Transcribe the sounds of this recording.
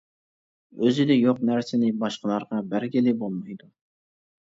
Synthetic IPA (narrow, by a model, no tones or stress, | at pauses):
øzɪd̪ɛjoq̚næɾsɪnɪbɑʃqʰəlˠɑɾʁɑbæɾɡʲɪlɪbolˠmɑjd̪u